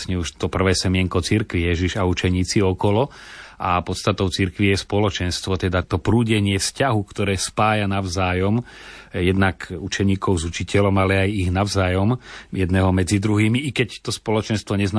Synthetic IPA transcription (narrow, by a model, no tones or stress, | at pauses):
sɲɛuʃt̪ɔpr̩ʋɛːsɛmɪɛŋkɔt͡siɾkʋijɛʒiʒaut͡ʃɛɲiːt͡siɔkɔlɔʔapɔt̪st̪at̪ɔʊt͡siɾkʋijɛspɔlɔt͡ʃɛnst̪ʋɔt̪ɛd̪at̪ɔpɾuːɟɛɲɪɛfscaɦukt̪ɔɾɛːspaːjanaʊzaːjɔmjɛd̪nakut͡ʃɛɲiːkʰɔʊzut͡ʃicɛlɔmalɛajiɣnaʊzaːjɔmjɛd̪nɛːɦɔmɛd͡zid̪ɾuɦiːmiʔikɛct̪ɔspɔlɔt͡ʃɛnst̪ʋɔɲɛzn